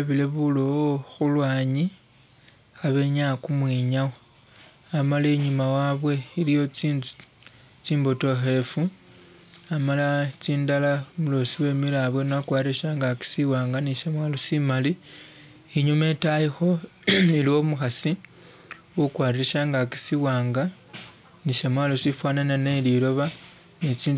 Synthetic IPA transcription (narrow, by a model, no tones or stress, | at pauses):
eβile̞βulooxulwaːɲi | xaβe̞ɲakumwiɲawo | amalaiɲumawaβwe̞ilijo̞t͡sin | t͡ʃiːmbo̞to̞xe̞fu | amalat͡siːndalamulo̞siwe̞milaβwenakwaːɾieʃaŋɡaki̥siwaːŋɡaniʃemwaːlosimali | iɲume̞tajixo̞iliwo̞muxasi | wukwaːriɾeʃaːŋɡaki̥siwaːŋɡa | niʃemwaːlosifwaːnananelilo̞βa | net͡siːn